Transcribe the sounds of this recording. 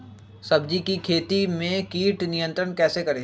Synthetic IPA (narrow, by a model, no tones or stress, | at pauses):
sɐbd͡ʒikikʰeːt̪imẽkiːʈnijə̃nt̪ɾənkɛːsekɐɾeː